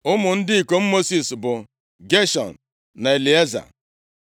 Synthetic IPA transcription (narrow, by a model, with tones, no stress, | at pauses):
ʊ˦mʊ˨n̩˦dɪ˦i˨ko˨m̩˦mo˦si˨sbʊ˨ | ɡe˦ʃɔ̰˨n̩˨ | na˨e˨li˨e˦za̰˨